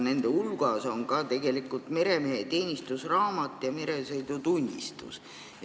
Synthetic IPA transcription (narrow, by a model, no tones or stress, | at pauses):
ne̞nd̪̥e̞ulɡ̥ɑso̞ŋkɑt̪e̞ɡe̞likːˑult̪me̞ɾe̞meɦet̪e̞ːnʲist̪usrɑːmɑt̪ːˑjɑme̞ɾe̞sɤjd̪̥ut̪unʲːḭst̪ṵs